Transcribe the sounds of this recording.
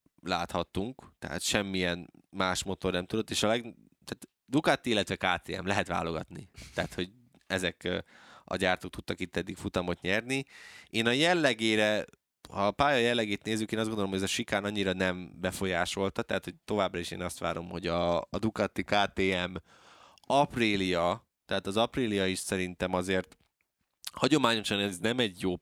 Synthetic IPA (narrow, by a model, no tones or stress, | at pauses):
laːt̪hɒt̪ːuŋkt̪ɛ̰ɦa̰t̪ʃɛmːijɛnmaːʃmo̞t̪o̞rnɛmt̪ud̪o̞t̪ːeːʃɒlɛɡ | t̪aːt̪ | d̪ukat̪ːiilːɛt̪ʋɛkaːt̪ḛːɛ̰mlɛɦɛt̪ʋa̰ːlo̞ɡɒt̪nḭt̪ɛɦat̪ho̞ɟ | ɛzɛk | ɒ̰ɟaːrt̪ok̚t̪ut̪ːɒkit̪ːɛd̪ːikfut̪ɒmo̞t̪ɲɛrnieːnɒjɛlːɛɡeːɾɛ | hɒpaːjɒjɛlːɛɡeːt̪neːzːykeːnɒzɡond̪olomoɟɛzɒʃikaːnɒɲːiɾɒnɛmbɛfo̞jaːʃo̞lt̪ɒt̪ɛɦat̪ho̞c̚t̪o̞vaːbrɒiʃḛːnɒst̪ʋa̰ːɾo̞mho̞ɟɒd̪ukɒt̪ːikaːt̪eːɛm | ɒpriːlijɒ | t̪ɛɦaːt̪ɒzɒprilijɒiʃsɛɾint̪ɛmɒzeːrt̪ | hɒɟo̞maːɲo̞ʃɒnɛznɛmɛɟjob